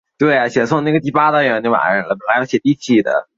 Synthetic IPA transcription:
t̪we˥˩ɪja˨˩ɕjɛ˨˩swʊ˥˧ŋna˥˩ɡə˩t̪̬i˥˩pa˥t̪ɑ˥ŋɻə˧˥nno˥˩wa̰˨˧˥ɻə˧˩nlə˧pə˨˩lɪjo˧˥ɕjɛ˨˩t̪i˥˧˩t͡ɕʰi˥˩d̪ə̰˩

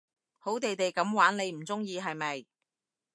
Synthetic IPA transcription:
ho˨˥wt̪e˨jt̪e˨jkɐ˨˥mwaː˨˥nne˨˧jm̩˨˩t͡sʊ˥ŋjiː˧ɦɐ˨jmɐ˨j

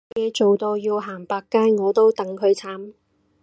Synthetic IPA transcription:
jɛː˨˧t͡ʃo˨wt̪o˧wjiː˧wɦaː˨˩ŋpaː˧kːaː˥jŋɔː˨˧t̪o˥wt̪ɐ˨˥ŋkʰɵ˨˧ɥt͡sʰaː˨˥m

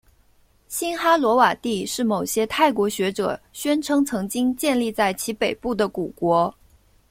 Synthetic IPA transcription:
ɕi˥nxa˥lwɔ˧˥wa˨˩t̪i˥˧ʂɻ̩˥˩mo˨˩ʊɕjɛ˥t̪ʰa˥˩ɪkwɔ˧˥ɕɥɛ˧˥ʈ͡ʂɤ̰˨˩ɕɥɛ˥nʈ͡ʂʰɤ˧˥ŋt͡sʰɤ˧˥ŋt͡ɕi˥ŋt͡ɕjɛ˥˧nli˥˧t͡sa˥˩ɪt͡ɕʰi˧˥pe˨˩ɪpu˥˩d̪ə˩ku˨˩kwɔ˧˥

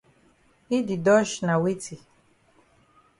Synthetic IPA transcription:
i˦di˨dɔ˦ʃna˨wi˦t͡sʰi˨

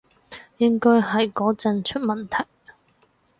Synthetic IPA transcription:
jɪ˥ŋkɔː˥jɦɐ˨jkɔː˨˥t͡sɐ˧nt͡ʃʰɵ˥t̚mɐ˨nt̪ʰɐ˨˩j

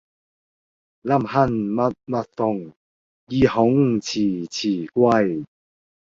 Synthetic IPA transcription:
la˥˨mha˥˧˨nma˦t̚ma˦˥t̚θɔ˧˨ŋ | ji˧hɔ˨˦ŋt͡ɕʰi˨˩t͡ɕʰiː˨˩kwa˥˨j

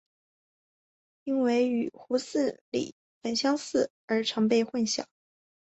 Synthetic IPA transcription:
i˥nwe˧˥ɪy˨˩xu˧˥sɹ̩˥˩lḭ˨˩ | fə˧˨˩nɕjɑ˥ŋsɹ̩˥˩ | ə˞˧˥ʈ͡ʂʰɑ˧˥ŋp̬e˥˧ɪxwə˥˧nɕjɑ̰˨˩˦ŋ

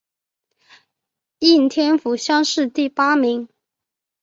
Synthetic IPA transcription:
i˥˩nt̪ʰjɛ˥nfu˧˥ɕjɑ˥ŋʂɻ̩˥˧t̪i˥˩pa˥mi˧˥ŋ

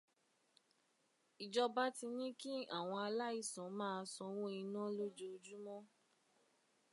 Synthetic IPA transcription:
i˨d͡ʒɔ˧ba˦ti˧nĩ˦ki˦a˦˨w̃ɔ̃˧a˧la˦i˦˨sɔ̃˨˦mãː˦˧sɔ̃˧˦w̃õ˦i˧nã˦lo˦d͡ʒo˧d͡ʒu˦mɔ̃˦

